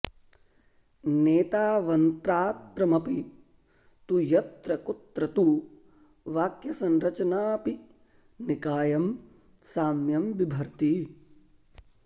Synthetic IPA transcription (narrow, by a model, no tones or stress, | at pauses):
neːt̪aːʋɐnt̪ɾaːt̪ɾɐmɐpi | t̪ujɐt̪ɾɐkut̪ɾɐt̪u | ʋaːkjɐsɐnɾɐt͡ʃɐnaːpi | nikaːjɐm | saːmjɐmʋibʱɐɾt̪i